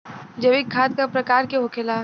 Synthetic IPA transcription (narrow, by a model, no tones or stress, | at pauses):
d͡ʒɐʋɪkʰːaːt̪̚kapɾɐkaːɾkeɦokʰela